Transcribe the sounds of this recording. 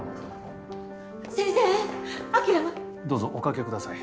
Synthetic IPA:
sẽñseakʲiɾama | d̪o̞ːzoʔokake̞kɯd̪asai

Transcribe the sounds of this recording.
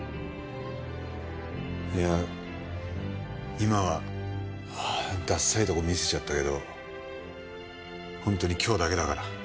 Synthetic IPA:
ja | imaβa | d̪asːait̪o̞komʲise̥t͡ɕat̪ːake̞d̪o̞ | hõnt̪o̞ɲ̟ikʲo̞ːd̪ake̞d̪akaɾa

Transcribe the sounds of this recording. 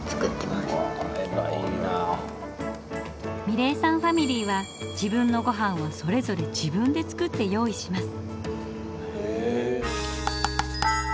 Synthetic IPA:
t͡sɨ̥kɯt̪ːemameba̰ina | mʲiɾe̞ːsãɰ̃ɸamʲiɾʲiːβa | d͡ʑibɯ̟̃nːo̞ɡo̞ɦãɰ̃βoso̞ɾe̞zo̞ɾe̞d͡ʑibɯ̟̃nd̪e̞t͡sɨ̥kɯ̟t̪ːe̞jo̞ːiɕimasɨ̥ | e

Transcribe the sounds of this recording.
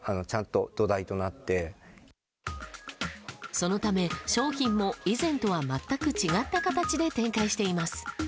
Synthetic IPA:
ano̞t͡ɕãnt̪o̞d̪̥o̞d̪ait̪o̞nat̪ːe̞ | so̞no̞t̪ame̞ɕo̞ːçĩmːo̞izẽ̞nt̪o̞βamat̪ːakɯ̟t͡ɕiɡat̪ːakat̪at͡ɕid̪e̞t̪ẽ̞ŋkaiɕi̥t̪e̞imasɨ̥

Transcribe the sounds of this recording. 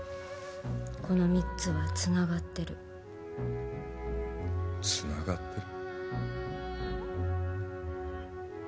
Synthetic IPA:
ko̞no̞mʲitt͡sɨβat͡sɨnaɡat̪ːe̞ɾɯ̟ | t͡sɨnaɡat̪ʰːe̞ɾɯ

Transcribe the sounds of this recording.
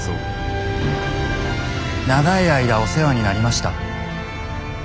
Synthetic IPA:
naɡaiaid̪ao̞se̞βaɲ̟inaɾʲimaɕi̥t̪a̰

